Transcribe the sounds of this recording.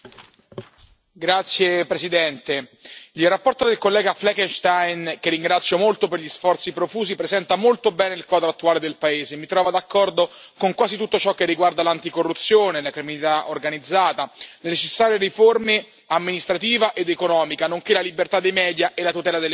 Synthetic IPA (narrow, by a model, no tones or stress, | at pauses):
ɡɾat̪sːjepɾesid̪ɛnt̪eilrapːɔrt̪od̪elkolːɛːɡaflɛkenʃt̪ajnkerːiŋɡɾat̪sːjomolt̪operʎisfɔrt̪sipɾofuːzipɾezɛnt̪amolt̪obɛːneilkwaːd̪ɾoat̪ːuaːled̪elpaeːzemit̪ɾɔːvad̪akːɔrd̪okoŋkwaːzit̪ut̪ːot͡ʃɔkːerːiɡward̪alant̪ikorːut̪sːjoːnelakɾiminit̪aʔorɡanid̪zːaːt̪alenet͡ʃesːaːɾjeɾiforme | amːinist̪ɾat̪iːvaʔed̪ekonɔːmikanoŋkelalibert̪ad̪ːejmɛːd̪jaʔelat̪ut̪ɛːlad̪elː